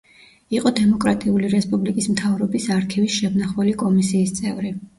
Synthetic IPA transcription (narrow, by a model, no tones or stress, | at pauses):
iqʼɔd̪ɛmɔkʼɾat̪ʼiuliɾɛspʼublikʼismt̪ʰavɾɔbisaɾk̪ʰivisʃɛbnaχwɛlikʼɔmisiːst̪sʼɛvɾi